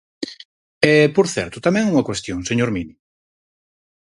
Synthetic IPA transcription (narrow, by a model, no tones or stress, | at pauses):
ɛpoɾθɛ̰ɾt̪ʊt̪amɛ̃ŋuŋɐkwest̪joŋseɲoɾmini